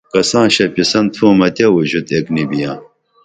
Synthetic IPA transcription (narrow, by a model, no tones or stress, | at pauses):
kɐsãːɕɐpisɐnt̪ʰũːmɐt̪ɐwuʑut̪eknibijãː